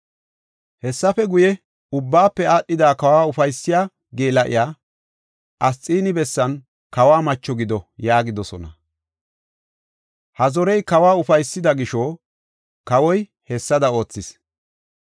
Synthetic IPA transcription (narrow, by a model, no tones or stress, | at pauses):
hɛsːɐfɛɡʊjɛ | ʊbːaːpːɛaːɗːɪd̪aːkɐwaːʊfɐjsːɪjaː | ɡe̞ːlɐʔɪ̰jaː | ʔɐst͡sʼiːnɪbɛsːɐn | kɐwaːmɐt͡ʃːɔɡɪd̪ɔjaːɡɪd̪ɔsɔnɐ | hɐzɔɾɛjkɐwaːʊfɐjsːɪd̪ɐɡɪʃoː | kɐwɔj | hɛsːɐd̪ɐo̞ːt͡sːɪs